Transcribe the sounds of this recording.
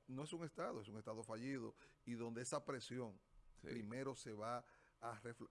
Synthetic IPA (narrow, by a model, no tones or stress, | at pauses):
no̞e̞suŋe̞st̪aðoesuŋe̞st̪aðo̞faʝiðo̞̰iðo̞nd̪e̞esapɾe̞sjo̞ŋɾime̞ɾo̞se̞βaːrefl